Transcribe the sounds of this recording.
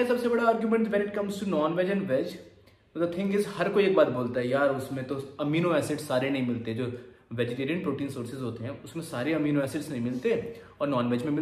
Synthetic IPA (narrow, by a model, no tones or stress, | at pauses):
sɐbsebɐɽaaːɾɡjumɛ̃ɳʈʋɛ̃nɪʈ̚kɐ̃mzʈunɔːnʋɛːd͡ʒɛ̃ɳɖʋɛd͡ʒ | d̪ɐt̪ʰɪ̃ŋkɪzhɐɾkoieːk̚baːt̪boːlt̪aɦɛjaːɾʊsmẽt̪oɐmiːnoɛːsɪʈsːaːɾenɐɦĩmɪlt̪eɦɛd͡ʒoː | ʋɛd͡ʒɪʈeːɾiə̃npɾoːʈiːnsoːɾsɪzɦoːt̪eɦɛ̃ːʊsmẽsaːɾeɐmiːnoɛːsɪʈsnɐɦĩmɪlt̪eɛɔːɾnɔːnʋɛːd͡ʒmẽmɪl